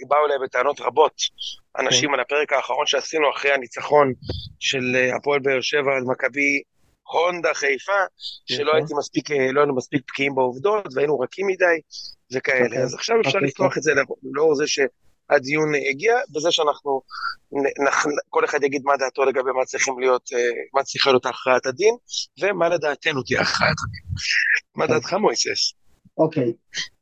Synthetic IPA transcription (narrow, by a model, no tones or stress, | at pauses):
iɡbaulajbe̞t̪eano̞tʁabo̞tʔa̰naʃimalape̞ʁekaːχaʁonʃeasinuaχʁejhanit͡saχo̞nʃe̞la̰poelbeːʁʃe̞vaːdmakabi | ho̞nd̪aχejfaʃelo̞ait̪imaspikelo̞ajinumaspik̚pkiimbeovd̪o̞t̪veainuʁakimːid̪ajve̞kaele̞azaχʃaveʃaʁllift̪oaχetzelleoʁzeʃe̞ | ad̪ijuneɡiabezeʃeanaχnunenaχko̞le̞χad̪jaɡid̪mad̪aːt̪o̞le̞ɡabe̞mat͡sʁiχimlijo̞t̪emat͡sʁiχalijo̞t̪aχʁaatad̪inve̞male̞d̪aːt̪e̞nut̪ia̰χʁaa̰t̪ad̪inmadaːt̪χamojses | okej